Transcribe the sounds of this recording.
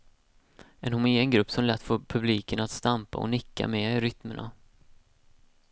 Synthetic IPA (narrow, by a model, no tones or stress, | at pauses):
ɛnhʊmɪːənɡɾɵpːsɔmlɛt̪ːfoːpʰɵbliːkəɳat̪st̪ampa̰ɔ̰nɪkːa̰mɛːɾʏt̪məɳʔa̰